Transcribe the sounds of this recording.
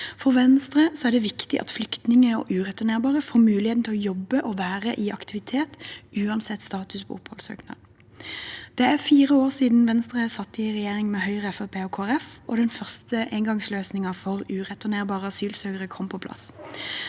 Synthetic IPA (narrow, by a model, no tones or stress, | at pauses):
fɔʁʋɛnst̪ʁəsɔæʁd̪ɛʋɪkt̪ɪʔɑ̰t̪flʏkt̪nɪŋəɔ̰ʔʉːʁɛt̪ʉneːʁbɑːʁəfoːmʉːlɪhet̪n̩t̪ɪlːɔjɔbːəʔɔʋæːʁəʔɪʔɑkt̪ɪʋɪt̪ʰeːt̪ʔʉːɑnsɛt̪ːst̪ɑːt̪ʉspʰɔ̰ʊphɔlsø̰ːknɑ̰ːd̪ | d̪̥ɛæʁfiːʁəoːʁsiːd̪n̩ʋɛnst̪ʁəsɑt̪ːəɪʁɛjeːʁɪŋmɛːhœʏʁəɛfɑpʰeːoːkʰoːæʁɛfʔɔ̰d̪ɛnfœʁst̪əʔeŋɡɑŋsløːsnɪŋɑfɔʁʉːʁɛt̪ʉneːʁbɑːʁəɑsyːlsøːɡəʁəkʰɔmpʰɔpʰlɑ̰s